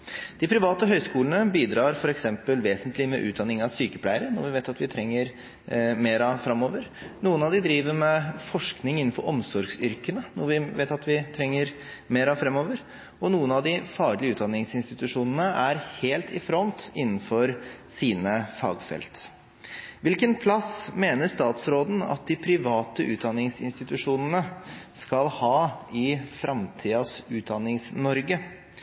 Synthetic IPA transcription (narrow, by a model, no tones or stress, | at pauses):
d̪̥ɪpʰɾɪʋɑːt̪əɦœʏskuːlənəbiːd̪ɾɑːɾfɔɾɛksɛmpəlʋeːsənt̪ʰlɪmɛ̰ʔʉːt̪̚d̪ɑnːɪŋɑʋsyːkəpʰlæɪəɾənɔɾʋɪʋeɪt̪ɑt̪ʋɪt̪ʰɾɛŋːəɾ | meːɾɑfɾɑmːoːʋəɾnuːənɑʋd̪ɪd̪ɾiːʋəɾmɛfɔʂknɪŋɪnːn̩fɔɾʔɔmsɔɾɡsʏɾkənənɔɾʋɪʋḛɪt̪ɑt̪ʋɪt̪ʰɾɛŋːəɾ | meːɾɑfɾɛmːoːʋəɾ | ɔnuːənɑd̪ɪfɑːɡɭɪəʉːt̪̚d̪ɑnɪŋsɪnst̪ɪt̪ʉʂuːnənəʔæɾheːlt̪ɪfɾɔnt̪ɪnːn̩fɔɾsiːnəfɑ̰ːɡfɛ̰lt̪ | ʋɪlkənpʰlɑsmeːnəʂt̪ɑːt̪sɾoːd̪n̩ɑ̰t̪̚d̪ɪpʰɾɪʋɑːt̪əʔʉ̰ːt̪̚d̪ɑnːɪŋsɪ̰nst̪ɪt̪ʉʂuːnənəskɑlhɑːɪfɾʔɑmt̪ʰiːɑsʉːt̪̚d̪ɑnːɪŋsnɔɾɡə